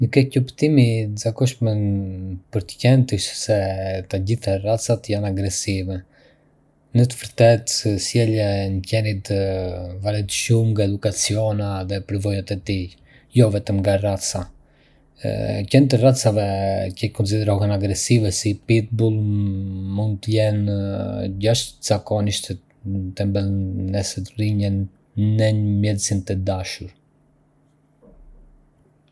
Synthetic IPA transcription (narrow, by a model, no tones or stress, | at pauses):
nəkɛcəpt̪imiəzakɔʃmɛnpəɾt̪ə̥cɛnt̪əʃsɛt̪aɟiθarat͡sat̪janaɡɾɛsivɛ | nət̪əvəɾt̪ɛt̪sjɛlɛncɛnit̪ | vaɾɛnt̪ʃumŋɡaɛd̪ukat͡siɔnaðɛpəɾvɔjat̪ɛt̪i | jɔvɛt̪əmɡarat͡sa̰ | cɛnt̪ərat͡savɛcɛkunt͡s̬iðɛɾɔɦɛnaɡɾɛsivɛsipit̪̚bulˠ | mund̪̚t̪əjɛn | ɟaʃt̪z̥akɔniʃt̪ɛ | t̪ɛmbɛlˠnɛsɛt̪riɲɛn | nɛɲəmjɛt̪sint̪ɛd̪aʃuɾ